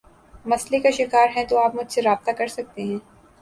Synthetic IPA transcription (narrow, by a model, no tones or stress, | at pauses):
mɐslekaʃɪkaːɾɦɛ̃t̪oaːpmʊd͡ʒʱseɾaːb̚t̪akɐɾsɐk̚t̪eɦɛ̃ː